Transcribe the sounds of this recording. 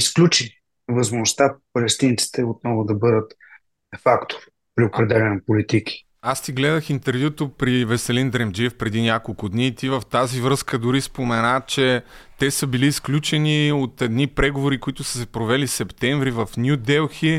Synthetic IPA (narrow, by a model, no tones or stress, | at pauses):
isklʲut͡ʃi | vəzmʊnʊst̪apɐlɛst̪int̪si̥t̪ɛot̪̚nɔvʊd̪ɐbɤd̪ət̪ | ɛfakt̪o̥ɾ | pɾiopɾɛd̪ɛlɛnɐpolit̪iki̥ | ast̪iɡlɛd̪əxint̪ɛɾvjut̪opɾivɛsɛlind̪ɾɛmd͡ʒifpɾɛd̪inʲakolˠkʊd̪nit̪ivəft̪azivɾɤskəd̪ʊɾispomɛnat͡ʃɛt̪ɛsəbiliːsklʲut͡ʃɛniot̪ɛd̪nipɾɛɡovoɾikoit̪ʊsə̥sɛpɾovɛlisɛpt̪ɛɱvɾivəfnjud̪ɛlˠxi